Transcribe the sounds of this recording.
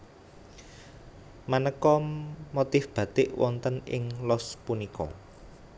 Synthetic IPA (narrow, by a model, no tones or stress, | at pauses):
manəkɔmot̪ɪfb̥ä̤t̪ɪʔwʔɔnt̪ənɪ̰ŋlɔspunikɔ̰